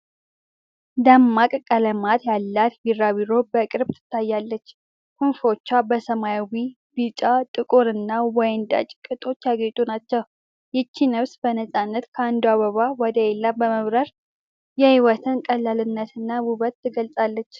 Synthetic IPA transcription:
d̪amːakʼkʼələmat̪jalːat̪biɾːaβiɾo̞bəkʼɨɾbt̪ʰɨ̥t̪ʰːajːalːət͡ʃː | kɨnfo̞t͡ʃːabəsəmajawi | bit͡ʃʼat̪ʼɨkʼoɾɨnːawɔjɪnd̪a̰t͡ʃʼkʼɨt̪ʼo̞t͡ʃːjaɡet̪ʼunat͡ʃːəw | jɛt͡ʃːinəβsbənəsʼanːət̪kʰəand̪uaβəβawɔd̪əelːabəməβɾəɾ | jɛhiwɔt̪ʰɨnkʼəlːalɨnːət̪ɨnːawuβət̪ːɨɡəlsʼalːət͡ʃː

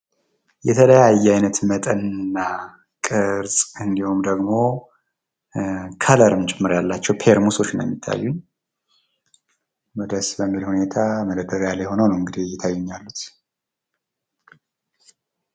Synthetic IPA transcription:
jɛt̪ʰələjajːɛajnət̪mət̪ʼənnːa | kʼɨɾsʼɨnd̪ihumd̪əɡmo̞ | kʰələɾɨmt͡ʃʼɪmːɨɾjalːat͡ʃːɛwpʰeɾmuso̞t͡ʃːnjɛ̰mːit̪ʰːa̰jːuɲ | məd̪əsbəmːilhune̞t̪ʰaməd̪əd̪əɡjalejho̞nəwnəwɨŋɡɨd̪ijɛt̪ʰajːuɲːalːut̪

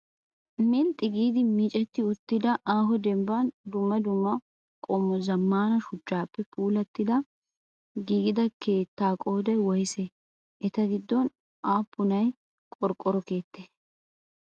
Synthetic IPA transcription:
mɛlt̪ʼːɪɡiːd̪ɪmiːt͡ʃʼɛt̪ːɪʊt̪ːɪd̪ɐʔaːɦɔd̪ɛmbɐnd̪ʊmːɐd̪ʊmːɐ | kʼɔmːɔzɐmːaːnɐʃʊt͡ʃːaːpːɛpuːlɐt̪ːɪd̪ɐ | ɡiːɡɪd̪ɐkʰe̞ːt̪ːaːkʼo̞ːd̪ɐjwɔjse | ʔɛt̪ɐɡɪd̪ːɔn | ʔaːpːʊnɐj | kʼɔɾkʼːɔɾɔke̞ːt̪ːeː

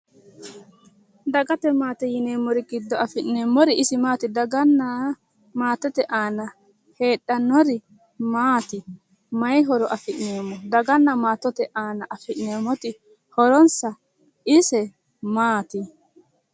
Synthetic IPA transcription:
d̪ɐɡɐt̪ɛmaːt̪ɛjɪneːmːɔɾɪɡɪd̪ːɔɐfɪʔnːeːmːɔɾɪɪsɪmaːt̪ɪd̪ɐɡɐnːɐ | maːt̪ɔt̪ɛʔaːnɐ | he̞ːɗːɐnːɔɾɪ | maːt̪ɪ | mɐjɦɔɾɔʔɐfɪʔne̞ːmːɔd̪ɐɡɐnːɐmaːt̪ːɔt̪ɛʔaːnɐʔɐfɪʔneːmːɔt̪ɪ | hɔɾɔnsɐ | ɪsɛ | maːt̪ɪ

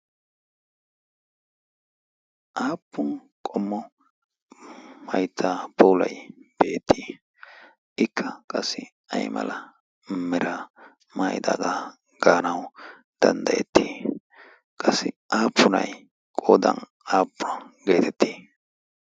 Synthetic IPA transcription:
ʔaːpːʊn | kʼɔmːɔ | mɐjt̪ʰːaːpʰɔwlɐjb̥eːt̪ʰːiː | ʔɪkːɐkʼɐsːɪ | ɐjmɐ̰lɐ | mɛɾɐ | maːjɪd̪a̰ːd̪a | ɡ̥aːnɐw | d̪̥ɐnd̪ɐjɛ̰t̪ːiː | kʼɐsːɪaːpʰːʊnɐ̰j | kʼoːd̪ɐ̰n | aːpːʊnɐɡe̞ːt̪ɛt̪ːi̥ː

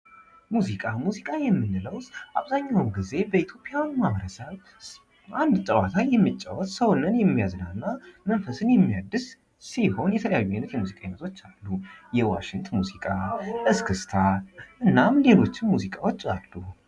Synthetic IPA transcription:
muzikʼamuzikʼajɛmːɨnːɨləwʔa̰βzaɲːawmɡize̞bəit̪ʰjo̞pʼɪjawnmaβəɾəsəβ | ʔand̪t̪ʼəwat̪ʰajɛmːɨt͡ʃʼːa̰wɔt̪ʼsəwnːɨnjɛmːijaznalɨnːamənfəsɨnjɛmːijad̪ːɨs | siho̞njɛt̪ʰələjajːuajnɨt̪jɛmuzikʼaɲmət̪ʰo̞t͡ʃːalːujɛwa̰ʃɪŋt̪muzikʼaʔɨskʰɨst̪ʰaʔɨnːamle̞lo̞t͡ʃːɪnmuzikʼawo̞t͡ʃːalːu

